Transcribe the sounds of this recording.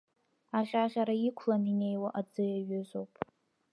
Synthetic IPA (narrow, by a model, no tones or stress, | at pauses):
aʁʲaʁʲaɾaikʷʰlanine̞jwaʔad͡zɨjaɥʊzowpʼ